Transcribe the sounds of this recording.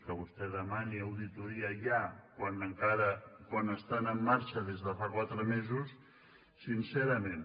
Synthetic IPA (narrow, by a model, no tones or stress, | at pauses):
kəβust̪ɛðəmaniəwðit̪uɾiaʎakwanəŋkaɾəkwanəst̪anəmːaɾt͡ʃəðezðəfakwat̪ɾəmezusː | insɛɾəmẽn